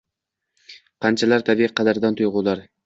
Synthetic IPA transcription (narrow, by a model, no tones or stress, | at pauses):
qʰɑnt͡ʃʰalaɾt̪ʰabɪqʰːɑd̪aɾd̪ant̪ʰʊjʁʊlˠaɾ